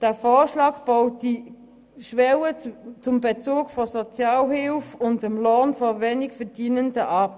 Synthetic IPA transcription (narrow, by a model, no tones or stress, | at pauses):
d̥ɛːfoːʁʃlɑːkb̥aʊt̚d̥i | ʃʋɛwət͡sʊmbet͡suːkfɔsɔt͡sjɑːlhɪlfʊndɛmlonfɔveːnɪkfɛɐd̥iːnəndəʔɑp